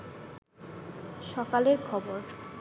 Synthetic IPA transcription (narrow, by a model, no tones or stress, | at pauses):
ʃɔkaleɾkʰɔboɾ